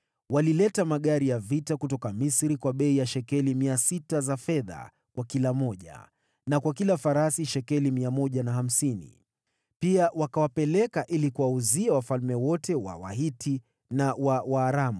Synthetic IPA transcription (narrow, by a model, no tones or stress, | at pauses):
walilɛtamaɠaɾijavitakutɔkamisɾikwaɓɛijaʃɛkɛlimiasitazafɛða̰ | kwakilamɔʄa̰ | nakwakilafaɾasiʃɛkɛlimiamɔʄanaham̩sinḭ | piawakawapɛlɛkaʔilikuwauziawafalmɛwɔtɛwa̰wa̰ɦitʰi | nawawaːɾamu